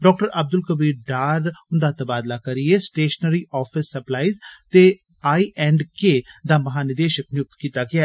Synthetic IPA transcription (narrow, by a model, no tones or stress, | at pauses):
ɖɔːk̚ʈəɾəb̚d̪ʊlkəbiːɾɖaːɾʊnd̪aːt̪əbaːd̪laːkəɾieːsʈeːʃənəɾiːʔɔːpʰɪsːəplaːiːzt̪eː | aːiːʔɛ̃ːɳɖkeːd̪aːməɦaːnɪd̪eːʃəknɪjʊk̚t̪kiːt̪aːɡɪaː